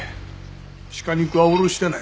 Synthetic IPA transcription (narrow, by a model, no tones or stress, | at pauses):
ɕi̥kaɲʲikɯaoɾoɕi̥t̪ena